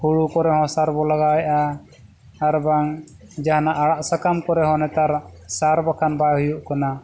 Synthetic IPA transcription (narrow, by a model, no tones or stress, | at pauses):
huɽukɔɾɛhɔ̃saɾbɔlaɡajʔaː | ɾbaŋ | d͡ʒahnaʔaɽaʔsakamkɔɾɛɦɔ̃nɛt̪aɾsaɾbakʰanbahujuʔkɔna